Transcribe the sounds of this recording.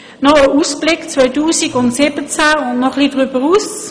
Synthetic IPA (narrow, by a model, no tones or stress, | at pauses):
nɔəʔuːsblɪkt͡svœʏtuːsiɡʊntsɪbət͡sæʊndnɔχlidʁybəʁuːs